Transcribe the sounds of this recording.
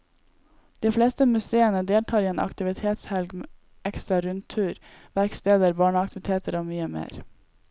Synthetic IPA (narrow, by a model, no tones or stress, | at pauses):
d̪̥iːfleːst̪əmʉseːənəd̪eːlʈʰɑːɾiːeːnʔɑ̰kt̪ɪʋɪt̪ʰeːt̪shɛlɡme | ʔɛkst̪ɾɑɾʉnt̪ʰʉːɾʋæɾkst̪eːd̪əɾbɑːɳəɑk̚t̪ɪʋɪt̪ʰeːt̪ʰəɾoːmyːəmḛːɾ